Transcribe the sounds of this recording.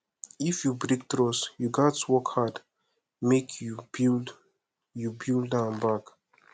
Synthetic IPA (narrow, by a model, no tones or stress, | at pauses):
ifjubɹik̚tɹɔsjuɡatswɔkhad | mekʰuil | jubildãnbak